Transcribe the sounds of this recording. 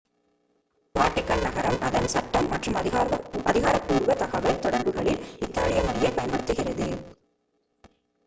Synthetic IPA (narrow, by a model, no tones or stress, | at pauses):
paːʈːɪkːɐɭnɐɣɐɾɐmɐðɐnsɐʈːɐmːɐʈrɯmɐʔɐðɪɣaːɾɐpːuːɾʋɐt̪ɐɣɐʋɐɾt̪ɔɽɐɾbɯɣɐɭɪlɪt̪ːaːlɪjɐmɐnɪjɐɪpɐjɐmɐɽɯt̪ːɯɣɪrɐðɯ